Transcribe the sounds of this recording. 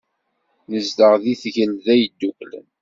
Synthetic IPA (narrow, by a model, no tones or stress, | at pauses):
nəzd̪əʁðiθʝəlðæjd̪ːuklə̰n